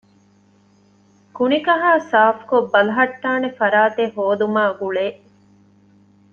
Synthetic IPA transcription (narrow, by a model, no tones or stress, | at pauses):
kunikɐɦaːsaːfkobːɐlɐɦɐʈːaːnefɐɾaːt̪ehoːd̪umaːɡuɭeː